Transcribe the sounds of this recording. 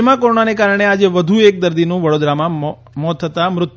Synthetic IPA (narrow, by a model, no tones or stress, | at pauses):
mãkoɾonanekaɾəɳ̃ead͡ʒeʋəd̪ʱuek̚d̪əɾd̪inũʋəɽod̪ɾamã | mɔt̪ʰːət̪amɾʊt̪